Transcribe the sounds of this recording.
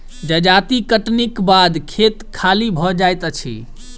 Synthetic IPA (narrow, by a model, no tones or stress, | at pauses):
d͡ʒəd͡ʒat̪ikəʈnikbad̪kʰet̪kʰalibʱɔd͡ʒajt̪ət͡ʃʰḭ